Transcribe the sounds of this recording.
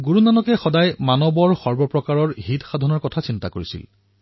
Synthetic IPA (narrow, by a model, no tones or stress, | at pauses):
ɡuɹunanɔkɛxɔdajmanɔbɔɹxɔɹbɔpɹɔkaɹɔɹɦitxadʱɔnɔɹkɔtʰasintakoɹisḭl